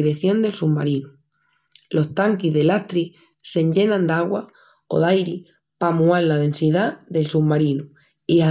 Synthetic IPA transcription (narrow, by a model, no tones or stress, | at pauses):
iɾeθjo̞nd̪e̞lsuβmaɾinu | lo̞st̪aŋkiɦðe̞laht̪ɾi | se̞ɲʎe̞nãnd̪aɣwa | o̞̰ðajɾi | pamuallað̞e̞nsiðaðe̞lsuβmaɾinu | ia